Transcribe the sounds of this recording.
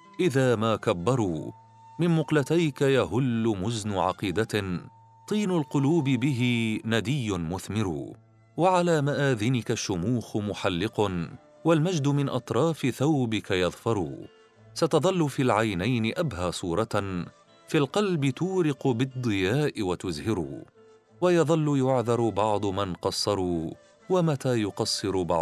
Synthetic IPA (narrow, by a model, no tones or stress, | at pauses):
ʔɪðaːmaːkabːɑɾˤuː | mɪnmʊqlat̪ajkajaɦʊlːʊmʊznʊʕɑ̰qiːd̪a | t̪ˤiːnʊlqʊluːbɪbɪɦɪnad̪ɪjːʊnmʊθmɪɾṵː | waʕalaːmaʔaːðɪnɪkaʃːʊmuːxmʊħalːɪq | walmad͡ʒd̪ʊmɪnʔɑt̪ˤɾˤɑːfɪθawbɪkajɑðˤfɑɾˤṵː | sat̪ɑðˤɑlːʊfilʕajnajnɪʔabɦaːsˤuːɾˤɑ | fiːlqɑlbɪt̪uːɾɪqʊbɨd̪ˤːɨjaːʔɪwat̪ʊzhɪɾṵː | wajɑðˤɑlːʊjʊʕðɑɾˤbɑʕd̪ˤʊmanqɑsˤːɑɾˤuː | wamat̪aːjʊqɑsˤːɨɾbɑ̰ʕ